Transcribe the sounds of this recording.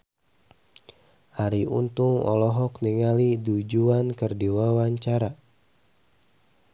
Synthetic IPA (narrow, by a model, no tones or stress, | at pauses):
ʔaɾiṵnt̪uŋɔ̰lɔɦɔkniŋalidud͡ʒuankərdiwawaɲt͡ʃaɾa